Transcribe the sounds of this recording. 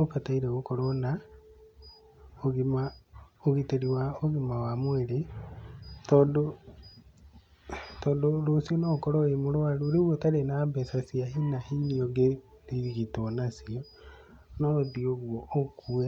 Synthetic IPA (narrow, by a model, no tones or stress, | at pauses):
ofataiɾeɣokɔɾɔna | oɣimaoɣiteɾiwaoɣimawamweɾe | tɔːdo | tɔːndoɾosiɔnɔkɔɾɔemoɾoaɾuːɾiɣwɔtaɾenabɛsasiaɦinahiniɔɡe | liɾiɣitonasiɔ | nɔðioɣwɔokue